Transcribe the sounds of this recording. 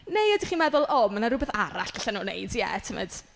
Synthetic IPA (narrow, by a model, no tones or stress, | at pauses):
nejadiχiːmɛðʊlˠɔmənaɾʊbɛθaɾa̰ɬɡ̥aɬanunḛjdjɛ̰tʰəmɛ̰d̥